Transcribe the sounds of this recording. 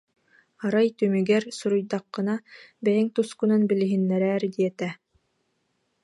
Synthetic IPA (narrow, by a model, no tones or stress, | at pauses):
aɾajt̪ymyɡɛɾsuɾujd̪aqːɯ̆nabɛjiŋt̪uskunɯnbiliɦinːɛɾɛːɾd̪iɛt̪ɛ